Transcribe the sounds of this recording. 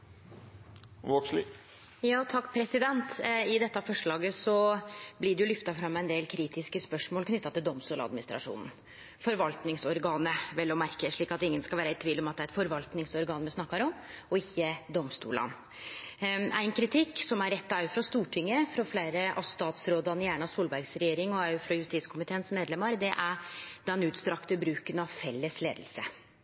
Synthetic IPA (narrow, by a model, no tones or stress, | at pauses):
ʋoksli | jɑːt̪ʰɑkːpʰɾɛsɪd̪ɛnt̪ɪd̪ɛt̪ːəɑfɔʂɭɑːɡəsɔblɪɖɛjʊlʏft̪ɑfɾɑmːæɪnd̪eːlkʰɾiːt̪ɪskəspœʂmoːlkʰnʏt̪ːɑt̪ɪld̪ɔmst̪uːlɑ̰d̪mɪnɪst̪ɾɑ̰ʂṵːnn̩ | fɔɾʋɑlt̪nɪŋsɔɾɡɑːnəʋɛlːɔmæɾkəʂɭiːkɑt̪ɪŋːənskɑlʋæːɾæɪt̪ʰʋiːlːɔmɑt̪d̪ɛæɾɛt̪fɔɾʋɑlt̪nɪŋsɔɾɡɑːnmɛsnɑkːɑɾɔm | ɔɪçːəd̪ɔmst̪ṵːlɑ̰n | æ̰ɪnkʰɾɪt̪ʰɪkːsɔmæɾɛt̪ːɑʉfɾɑst̪uːʈʰɪŋːəfɾɔflæɪɾəʔɑst̪ɑːt̪sɾoːd̪ɑnjæːɳɑsuːlbæɾɡsɾɛjeːɾɪŋɔɑfɾɔjʉst̪iːt̪skʰʊmɪt̪ʰeːnsmeːd̪lɛmɑɾd̪ɛʔæɾd̪ɛnʉːt̪st̪ɾɑkt̪əbɾʉːkənɑʋfɛlːəsleːd̪əlsə̰